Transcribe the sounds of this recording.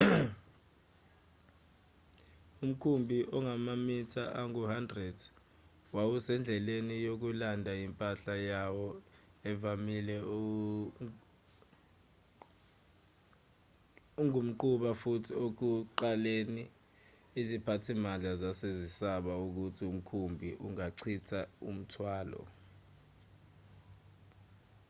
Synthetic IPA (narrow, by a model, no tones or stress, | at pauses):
um̩kʰumbʱiʔɔŋamamitʰaʔaŋuhandrɛd | wawusɛnd͡ɮʱɛlenijok̬ulandʱaimpʼaɬajawɔɛvamilɛ | uŋum̩ǃuɓafutʰiok̬uǃaleːni | izipʰatʰimand͡ɮʱazasezisaɓauk̬utʰium̩kʰumbʱiʔuŋaǀʰitʰaṵm̩tʰwaːlɔ̰